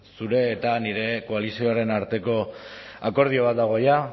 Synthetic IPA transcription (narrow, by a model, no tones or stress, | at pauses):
suɾe̞ːt̪aniɾe̞ko̞alisio̞aɾe̞naɾt̪e̞ko̞ako̞ɾð̞io̞βat̪̚d̪aɣ̞o̞ja